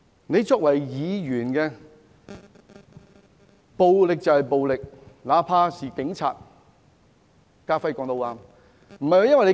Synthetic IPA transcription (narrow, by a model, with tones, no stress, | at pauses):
ne˨˧jt͡sɔː˧k̚wɐ˨˩jjiː˨˧jyː˨˩nkɛː˧ | po˨wlɪ˨k̚t͡sɐ˨whɐ˨jpo˨wlɪ˨k̚laː˨˧pʰaː˧siː˨kɪ˨˧˥ŋt͡sʰa̰ː˨t̚ | kaː˥fɐ˥jkɔ˨˧ŋt̪o˨˧waː˧m | m̩˨˩hɐ˨jwjɐ˥nwɐ˨jne˨˧